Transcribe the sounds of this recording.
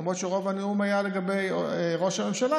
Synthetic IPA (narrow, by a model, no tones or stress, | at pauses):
mʁo̞t̪ʃeʁo̞vaneumajale̞ɡabe̞jʁo̞ʃame̞mʃala